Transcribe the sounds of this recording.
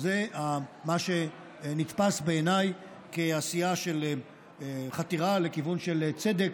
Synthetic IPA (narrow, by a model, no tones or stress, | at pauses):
zeamaʃe | nit̪pasbeːnaj | keasijaʃe̞l | χat̪iʁale̞kivunʃe̞lt͡se̞d̪ek